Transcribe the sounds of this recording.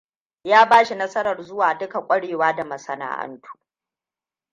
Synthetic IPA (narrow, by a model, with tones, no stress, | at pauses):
jaː˦baː˦ʃi˨nɐ˦sɐ˦ɾɐ˨rzʊ˦waː˨dʊ˦ka˨kʷʼɐ˦ɽeː˨waː˦da˨mɐ˨sɐ˨na̰ː˦ʔɐ̰˦ntʰu̥ː˦